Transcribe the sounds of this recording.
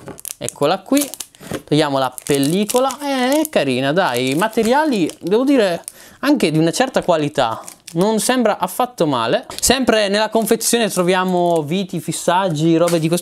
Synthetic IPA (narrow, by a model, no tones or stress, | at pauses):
ɛ̰kʰːolakwit̪ojaːmolapelːiːkolaɛɛkːaɾḭːnad̪ajmat̪eɾjaːlid̪ɛːvod̪iːɾeaŋk̟ed̪iunat͡ʃɛrt̪akwalit̪a̰nonsɛmbɾaʔafːat̪ːoma̰ːlesɛmpɾenelːakoɱfet̪sːjoːnet̪ɾovjaːmoviːt̪ifisːad͡ʒːiɾɔːbed̪iko